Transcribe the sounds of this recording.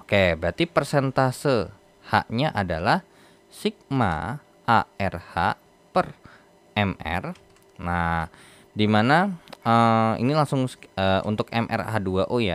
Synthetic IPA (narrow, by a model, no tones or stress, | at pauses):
okebəɾat̪ipərsent̪asə | ha̰ʔɲaʔadalah | sik̚ma̰ | aɛrhaʔ | pər | ɛmɛ̰r | na | dimanaəḭnilaŋsʊŋəʔṵnt̪ʊkɛ̰mʔɛ̰rhaduaʔoja